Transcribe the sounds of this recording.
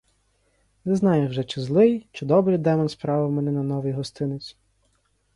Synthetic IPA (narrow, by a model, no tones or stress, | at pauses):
nɛznɑjʊwʒɛt͡ʃɪzlˠɪjt͡ʃɪd̪ɔbɾɨjd̪ɛmɔnspɾɑʋɪwmɛnɛnɐnɔʋɪjɦɔst̪ɪnet͡sʲ